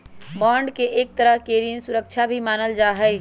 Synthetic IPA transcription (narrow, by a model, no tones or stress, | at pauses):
baːɳɖkeʔek̚t̪əɾəɦkeɾinsuɾək̚t͡ʃʰabʱimaːnəld͡ʒaːɦəj